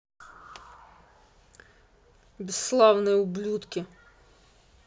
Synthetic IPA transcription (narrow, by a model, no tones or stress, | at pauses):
bʲisːlˠɑwnɛublʲut̪kʲɪ